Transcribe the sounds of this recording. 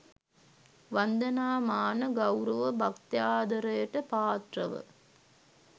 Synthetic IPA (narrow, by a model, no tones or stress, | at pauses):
ʋɐnd̪ɐnaːmaːnɐɡɐwɾɐʋɐbʱɐkt̪jaːd̪ɐɾɐjɐʈːɐpaːt̪rɐʋə̰